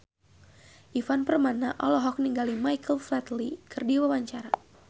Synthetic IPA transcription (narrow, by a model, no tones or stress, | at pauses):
ʔifanpərmanaʔɔlɔɦɔk̚niŋɡalimajkəlflɛt̪likʰərdiwawaɲt͡ʃaɾa